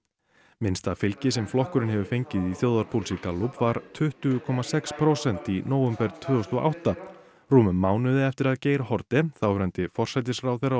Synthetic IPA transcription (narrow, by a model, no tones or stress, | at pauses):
mɪnst̪afɪlcɪsɛmflɔhkʏɾɪnhɛvʏfejɲcɪðiθjoːwðaɾpʰulsikalːupvaɾ̥t̪ʰʏht̪ʏkʰɔmasɛkspʰɾowsɛn̥t̪inoːwʏmpɛɾt̪ʰvʏːɔst̪ɔʔa̰wht̪a | ruːmʏːaːwnʏðɪɛft̪ɪɾaðceːjɾahɔɾt̪ɪθawɾɛnt̪ɪfɔr̥sajt̪ɪsrawθejrːa